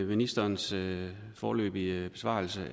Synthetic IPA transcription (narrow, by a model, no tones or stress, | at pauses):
minisd̥ɐːns | fɒːlø̰ːb̥iəb̥e̝sʋɑ̰̈l̩sə